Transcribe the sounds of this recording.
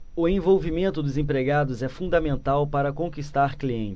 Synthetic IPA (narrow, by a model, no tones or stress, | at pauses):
ʊẽvowvimẽnt̪ʊd̪ʊzẽpɾeɡad̪ʊzɛfũd̪ɐmẽnt̪awpaɾɐkõkist̪aɾkliẽt͡ʃ